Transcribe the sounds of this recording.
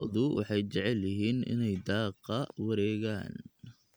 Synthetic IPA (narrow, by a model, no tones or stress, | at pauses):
ðʊwʔɑ̰ħɑjt͡ʃɛʕɛljɐɦiːnʔɪ̰nɛjd̪ɑːqːɑwɐɾɛːɣaːn